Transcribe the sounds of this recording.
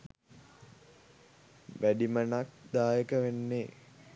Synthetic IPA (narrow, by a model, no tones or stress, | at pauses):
ʋæɖimənak̚d̪aːjəkəʋenːeː